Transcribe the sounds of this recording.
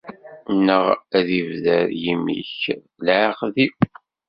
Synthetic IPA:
nːəʁæðivðəɾjimḭç | lʕqði

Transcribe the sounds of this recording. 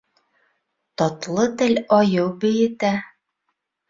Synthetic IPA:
t̪ɒt̪lˠɤt̪ɘlʲɒjɤwbɘ̆jɘ̆t̪æ

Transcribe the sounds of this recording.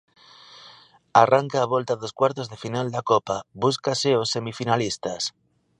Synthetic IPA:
arʔaŋkaːβ̞olt̪aðoskwaɾt̪ozðefinald̪akopabuskaseosːe̞mifinalist̪as

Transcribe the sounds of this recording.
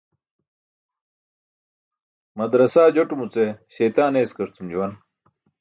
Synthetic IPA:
mɐd̪ɾɐsaːd͡ʑoʈumut͡seɕɐjt̪aːneːskɐɾt͡sʰumd͡ʑuwɐn

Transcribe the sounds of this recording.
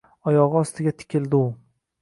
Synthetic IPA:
ɒjɒʁɨɒst̪ɪɡʲat̪ʰɪ̥kʲʰɪld̪ɪʊ

